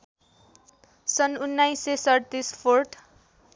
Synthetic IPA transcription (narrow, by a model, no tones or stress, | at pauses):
sʌnunːajsesʌɽt̪ispʰorʈʰ